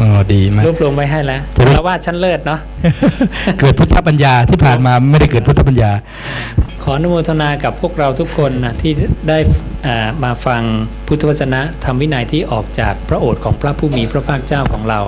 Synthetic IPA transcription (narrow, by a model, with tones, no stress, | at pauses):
ʔɔː˨˩diː˧m˦˥ɾuː˥˩p̚lu˧əmpa˧jɦa˥˩jlɛ˦˥ʔt͡ɕa˨a˧waː˥˩t̪̚t͡ɕʰa˦˥nlɤː˥˩t̪̚nɔ˦˥ | kɤː˨˩t̪̚pʰu˦˥t̪ʰːa˦˥pːa˧njaː˧t̪ʰiː˥˩pʰaː˨˩nmaː˧ma˥˩jda˥˩jkɤː˨˩t̪̚pʰt̪ʰa˦˥p̬a˧njaː˧ | kʰɔː˩˦ʔa˧nu˦˥mu˧t̪ʰa˧naː˧ka˨˩pʰu˥˩ək̚ɾa˧wt̪ʰu˦˥kʰːo˧nːa˦˥t̪ʰiː˥˩daː˥˩j | ʔaː˨˩maː˧fa˧ŋpʰu˦˥t̪ʰːa˧wa˦˥t̪t͡ɕʰːa˧na˦˥t̪ʰa˧mwi˦˥naː˧jt̪ʰiː˥˩ʔɔː˨˩k̚t͡ɕaː˨˩k̚pʰɾa˦˥ʔoː˨˩t̪̚kʰɔː˩˦ŋpʰɾa˦˥pʰuː˥˩miː˧pʰɾa˦˥pʰaː˥˩k̚t͡ɕaː˥˩wkʰɔː˩˦ŋɾa˧w